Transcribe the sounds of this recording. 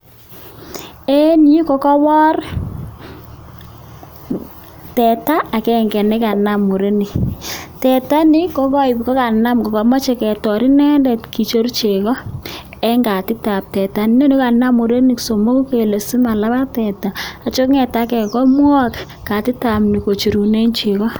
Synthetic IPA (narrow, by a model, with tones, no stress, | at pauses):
e˦ni˦kɔ˨˦kɔ˦wɔ˦r | tɛ˨taː˦˨kɛ˦˨ŋɡɛ˨nɛ˦ka˨na˨mo˨ɾe˦ni˨tɛ˨ta˦ni˦kɔ˦kɔ˦i˨pi˨kɔ˦ka˨na˦mkɔ˨kɔ˨mɔ˦t͡ʃe˨kɛ˨tɔ˨ɾi˦nɛ˦ndɛ˨tki˨t͡ʃo˦rt͡ʃe˨kɔ˦ | ɛ˦ŋɡa˨tɪ˦ta˨p̚tɛ˨ta˦ni˨ne˦no˦ka˨na˦mo˨ɾe˦ni˨kso˨mo˦ku˦ke˨le˨si˦ma˨la˦ba˦tɛ˨ta˨a˨t͡ʃo˦kŋɛ˨ta˦kɛ˨kɔ˦mwɔ˦k | ka˨tɪ˦ta˨mni˨ko˨t͡ʃi˨ɾu˨ne˦nt͡ʃe˨kɔ˦